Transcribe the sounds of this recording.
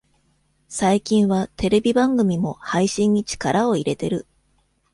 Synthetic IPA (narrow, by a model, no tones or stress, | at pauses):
saikʲĩɰ̃βat̪e̞ɾe̞bʲibãŋɡɯ̟mʲimo̞haiɕĩɲ̟ːit͡ɕi̥kaɾao̞iɾe̞t̪e̞ɾɯ̟